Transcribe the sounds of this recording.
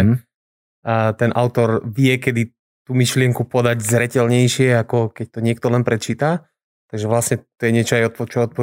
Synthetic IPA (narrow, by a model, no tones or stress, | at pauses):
t̪ɛnʔa̰ʊt̪ɔɾʋɪjɛkɛd̪i | t̪uːmiʃlɪɛŋkupɔd̪aɟzɾɛcɛlɲɛjʃɪɛakɔkɛc̚t̪ɔɲɪɛk̚t̪ɔlɛnpɾɛt͡ʃiːt̪a | t̪aɡʒɛʋlasɲɛt̪ɔjɛɲɪɛt͡ʃɔajɔt̪̚pɔt͡ʃɔɔt̪pɔ